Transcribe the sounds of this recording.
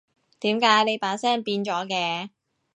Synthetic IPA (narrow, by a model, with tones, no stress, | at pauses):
t̪iː˨˥mkaː˨˥jne˨˧jpaː˨˥sɛː˥npiː˧nt͡ʃɔː˨˥kɛː˧